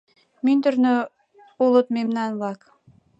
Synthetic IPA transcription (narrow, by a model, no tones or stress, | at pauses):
mint̪ɵ̆ɾnø | ulˠɤt̪̚memnɑnβɑk